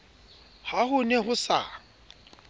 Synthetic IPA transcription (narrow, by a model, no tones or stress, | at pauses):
hahʊnɛɦʊsa̰